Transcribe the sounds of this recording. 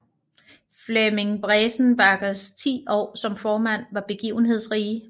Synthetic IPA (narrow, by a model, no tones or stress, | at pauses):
fleme̝ŋb̥ʁɛːsn̩b̥ɑ̈ɡ̥ɐst͡sʰḭːɒ̰ːsɒ̽mfɒːmæn̰ʋɑ̈b̥e̝ɡ̥ḭːʊn̩ɦe̝ð̰ˠsʁiː